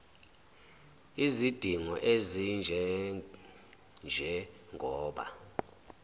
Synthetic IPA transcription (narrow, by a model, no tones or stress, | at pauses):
izid̥ʱiŋɔʔezind͡ʒʱɛ | nd͡ʒʱɛŋɡʱɔːɓa̰